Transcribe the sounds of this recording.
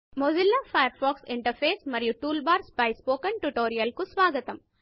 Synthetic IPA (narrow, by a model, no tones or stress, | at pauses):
mod͡ʒilːapʰɐjɐɾfɔːksiɳʈɐɾpʰeːsmɐɾijuʈuːlbaːɾspɐjspoːkɐɳʈuʈoːɾijɐlkusʋaːɡɐt̪ɐm